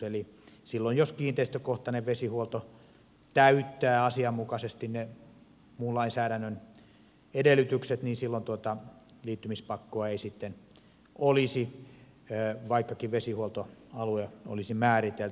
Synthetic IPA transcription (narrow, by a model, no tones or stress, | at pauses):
elisilːojjoskiːnt̪eist̪økoht̪ɑneʋʋesihuolt̪o | t̪æyt̪ːæːɑsiɑmmukɑsest̪inne | muːlɑinsæːɾænːøn | edelːˑyt̪ykset̪niːnsilːont̪uot̪ɑ | liːt̪ːymispɑkːoɑeisit̪ːen | ʔolisi | ʋɑikːɑkiʋʋesihuolt̪oɑlueo̰lisimæːrit̪el